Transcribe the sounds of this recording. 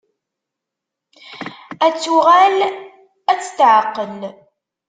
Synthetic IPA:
æt͡sːuʁæl | æt͡sːə̥t̪ʕəqːən

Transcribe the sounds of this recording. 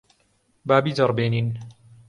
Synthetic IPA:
baːbiːdɐrˤbeːniːn

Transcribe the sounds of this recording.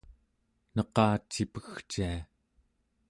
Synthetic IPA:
nʌqɑːt͡ʃːipəxt͡ʃia

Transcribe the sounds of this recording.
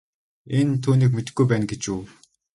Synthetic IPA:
ent̪ʰuːniːkmet̪ɘ̆ɡːujpæːnɡet͡ɕuː

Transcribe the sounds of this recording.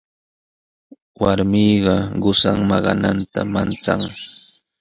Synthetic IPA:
waɾmijɢɑɢʊsaŋmɑɢɑnant̪amant͡saŋ

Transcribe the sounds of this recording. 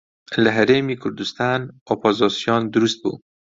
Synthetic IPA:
læɦæɾemikʰuɾd̪ust̪anopʰozɔsijɔnd̪uɾust̪̚bṵ

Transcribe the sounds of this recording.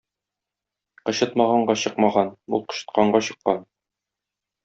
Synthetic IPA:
qɤ̆ɕɤ̆t̪̚mɑʁɑɴɢɑɕɤ̆qmɑʁɑnṵlˠqɤ̥̆ɕɤ̥̆t̪̚qɑɴɢɑɕɤ̆qːɑn

